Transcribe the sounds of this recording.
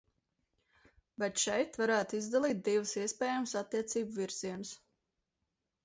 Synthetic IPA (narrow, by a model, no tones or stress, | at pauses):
bɛt̪ʃɛjt̪vaɾæːt̪izd̪alˠiːt̪̚d̪ivəsiɛspʲɛːjamsat̪ːiɛt̪siːbuviɾz̥iɛnus